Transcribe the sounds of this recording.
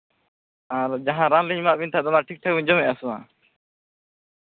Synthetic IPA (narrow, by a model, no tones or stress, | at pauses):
aɾd͡ʒaɦãɾanliɲmaʔbiɲt̪ʰaʔd̪ɔnaʈʰik̚ʈʰak̚biɲd͡ʒɔmɛʔasuma̰